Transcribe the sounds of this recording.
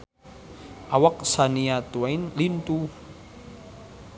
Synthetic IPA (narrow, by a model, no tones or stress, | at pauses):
ʔawak̚saniat̪uajnlint̪u